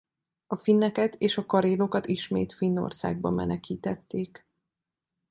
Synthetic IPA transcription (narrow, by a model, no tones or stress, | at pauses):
ɒfinːɛkɛt̪eːʃɒkɒɾeːlokɒt̪iʃmḛːt̪finːo̞̰rsa̰ːɡ̚bɒ̰mɛ̰nɛkiːt̪ɛt̪ːeːk